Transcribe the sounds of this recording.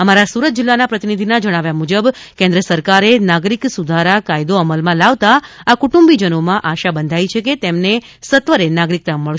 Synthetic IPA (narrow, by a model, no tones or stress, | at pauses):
əmaɾasuɾət̪̚d͡ʒɪlːanapɾət̪inid̪ʱinad͡ʒəɽ̃aʋjamud͡ʒəb | kẽnd̪ɾəsəɾkaɾenaɡɾiksud̪ʱaɾakajd̪oəməlmãlaʋt̪aakuʈũmbid͡ʒənomãʔaʃabənd̪ʱait͡ʃʰeket̪emnesət̪ʋəɾenaɡɾik̚t̪amːəɭ